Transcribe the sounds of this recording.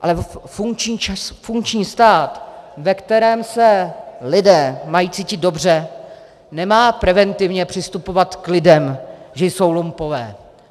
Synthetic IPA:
ʔa̰lɛfuŋkt͡ʃɲiːfuŋkt͡ʃɲiːst̪aːt̪vɛkt̪ɛɾɛːmsɛlɪdɛːmajiːt͡siːcɪd̪̚do̞br̝ɛ | nɛmaːpɾɛvɛnt̪ɪvɲɛpr̝̥ɪst̪upo̞vat̪klɪdɛmʒɛjso̞wlumpo̞vɛ̰ː

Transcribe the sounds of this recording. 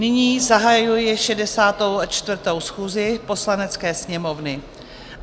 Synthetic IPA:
nɪɲiːzaɦajujɪʃɛdɛsaːt̪o̞wat͡ʃt̪vr̩t̪o̞wsxuːzɪpo̞slanɛt͡skɛːsɲɛmo̞vnɪ

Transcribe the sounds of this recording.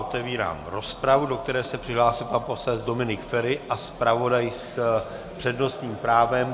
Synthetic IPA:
ot̪ɛviːɾa̰ːmɾo̞spɾavudo̞k̚t̪ɛɾɛːsɛpr̝̥ɪɦlaːsɪlpanpo̞slɛd͡zdo̞mɪnɪkfɛɾɪʔaspɾavo̞dajs | pr̝̥ɛdno̞st̪ɲiːmpɾaːvɛm

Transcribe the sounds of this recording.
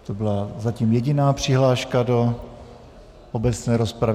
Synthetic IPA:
t̪o̞bɪlazaciːmjɛɟɪnaːpr̝̥ɪɦlaːʃkado̞ | ʔobɛt͡snɛːɾo̞spɾav

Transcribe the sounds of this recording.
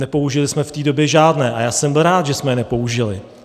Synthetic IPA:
nɛpo̞uʒɪlɪsmɛft̪iːdo̞bjɛʒaːdnɛːʔajaːsɛmbɪlɾaːt̪ʒɛsmɛjɛnɛpo̞uʒɪlɪ

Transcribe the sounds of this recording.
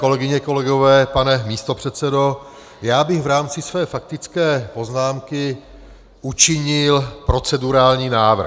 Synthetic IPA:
ko̞lɛɡɪɲɛko̞lɛɡo̞vɛːpanɛmiːst̪o̞pr̥ɛt̪t͡sɛdo̞ | jaːbɪɣvɾaːmt͡sɪsvɛːfak̚t̪ɪt͡skɛːpo̞znaːmkɪ | ʔut͡ʃɪɲɪlpɾo̞t͡sɛduɾaːlɲiːnaːvr̩

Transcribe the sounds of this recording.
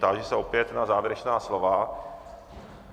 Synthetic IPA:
t̪aʒɛsɛʔo̞pjɛt̪nazaːvjɾɛt͡ʃnaːslova

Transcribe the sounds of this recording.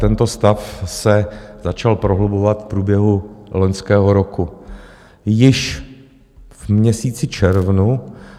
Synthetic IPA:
t̪ɛnt̪o̞st̪afsɛzat͡ʃalpɾoɦlubovat̪fpɾuːbjɛɦulo̞ɲskɛːɦo̞ɾoku | jɪʃ | vmɲɛsiːt͡sɪt͡ʃɛɾvnu

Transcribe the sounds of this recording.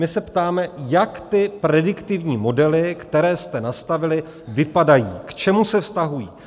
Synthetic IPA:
mɪsɛpt̪aːmɛjakt̪ɪpɾɛdɪkt̪ɪvɲiːmo̞dɛlɪkt̪ɛɾɛːst̪ɛnast̪avɪlɪ | vɪpadajiːkt͡ʃɛmusɛfst̪aɦujḭː

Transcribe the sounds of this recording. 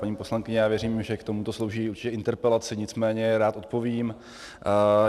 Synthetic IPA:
paɲiːpo̞slaŋkɪɲɛjaːvjɛɾiːmʒɛkt̪o̞mut̪o̞slo̞wʒiːuɾt͡ʃɪ̥cɛɪnt̪ɛɾpɛlat͡sɪɲɪt͡smɛːɲɛɾaːt̪o̞t̪̚po̞vim

